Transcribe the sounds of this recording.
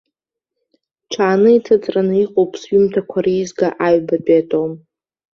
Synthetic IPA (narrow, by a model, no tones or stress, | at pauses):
ʈ͡ʂʰaːnɨitʰat͡sʼranɨiqʼowpʼsɥʏmtʰakʷʰaɾijzɡaʔaɥbapʼatʼowm